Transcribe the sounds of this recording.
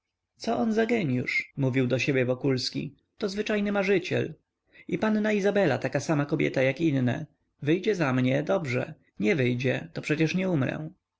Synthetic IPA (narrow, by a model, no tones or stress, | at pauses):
t̪sɔʔɔnzaɡɛɲjṵʂmuvʲiwd̪ɔɕebʲjɛvɔkulskʲḭ | t̪ɔzvɘt͡ʂajnɘmaʐɘt͡ɕɛ̰l | ipanːaizabɛla̰t̪akasamakɔbʲjɛ̰t̪ajakinːɛ̰ | vɘjd͡ʑɛzamɲɛd̪ɔbʐɛ̰ | ɲɛvɘjd͡ʑɛt̪ɔpʂɛt͡ɕɛʂɲɛumɾɛ̰̃